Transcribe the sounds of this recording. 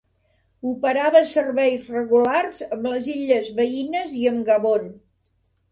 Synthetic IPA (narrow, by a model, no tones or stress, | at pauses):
upəɾaβəsərβɛjzrəɣularzəmləziʎəzβəinəziəmɡəβon